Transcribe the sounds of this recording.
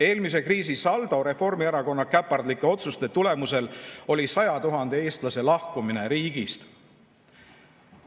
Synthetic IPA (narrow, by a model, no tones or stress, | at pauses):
e̞ːlmis̬e̞kriːs̬isɑld̪̥oɾe̞fo̞rmieɾɑko̞nːɑkæpːˑɑrd̪likːˑeo̞t̪sust̪e̞t̪ule̞muse̞lo̞lʲisɑjɑt̪uɦɑnd̪̥e̞e̞ːst̪lɑse̞lɑhkumine̞ɾiːɡ̥ist̪